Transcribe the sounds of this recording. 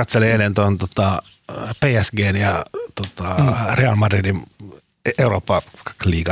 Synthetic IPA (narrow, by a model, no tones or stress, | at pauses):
ɑt̪seleelent̪ont̪ot̪ɑpeːæsɡeːnjɑt̪ot̪ɑreɑlmɑdridim | euroːpːɑ̥kliːkɑ